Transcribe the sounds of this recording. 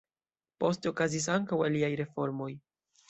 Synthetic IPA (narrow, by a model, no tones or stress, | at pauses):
po̞steokazis̬aŋkawaliajɾe̞fo̞ɾmo̞j